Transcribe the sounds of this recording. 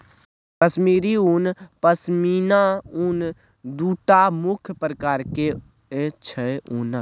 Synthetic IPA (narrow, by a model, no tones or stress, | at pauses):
kəsmiːɾiunpəsmiːnaun | d̪uːʈamʊkʰjpɾəkaːɾke | et͡ʃʰɛʔunə